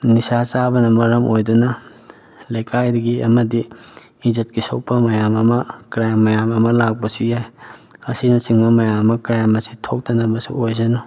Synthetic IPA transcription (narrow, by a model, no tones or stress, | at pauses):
nisat͡ʃabɐnɐmɐɾɐmʔojdɐnɐ | lɐjkʰajdɐɡiɐmɐdiː | zit̚kisow̚pɐmɐjamɐmɐkɾajmːɐjamɐmɐlak̚pɐsujajɐsinɐsiŋbɐmɐjamɐkɾajmɐsitʰok̚tɐnɐbɐsṵojzɐno